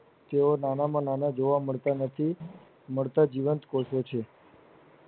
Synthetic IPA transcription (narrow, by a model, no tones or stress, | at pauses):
t̪eonanamãnanad͡ʒoʋaməɭt̪anət̪ʰi | məɭt̪ad͡ʒiʋənt̪kosot͡ʃʰe